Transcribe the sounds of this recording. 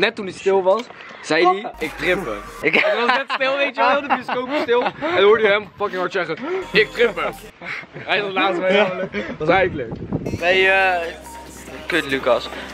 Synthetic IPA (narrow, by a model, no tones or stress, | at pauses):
nɛtːundistɪlˠʋɑs | z̥ɛjdiɪk̚trɪpə̰ | ʋɑsnɛtstɪlˠʋejtjəʋɪlˠdəbioskowpstɪlˠɛnduːdəjəɛmfɑkɪ̃ŋɦɑɹtsɛχəɪk̚trɪpə | ɛjχənləklaːtʋɛələkɑs̬ɛjələkbɛjə | køtlykɑs